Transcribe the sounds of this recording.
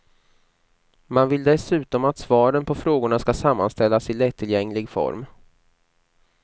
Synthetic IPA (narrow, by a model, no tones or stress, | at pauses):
manvɪld̪ɛsʉ̟ːt̪ɔmat̪svɑːɾənpʰɔfɾoːɡʊɳaskasamːa̰nst̪ɛlːasɪlɛt̪ʰːɪljɛŋːlɪɡfɔ̰ɾm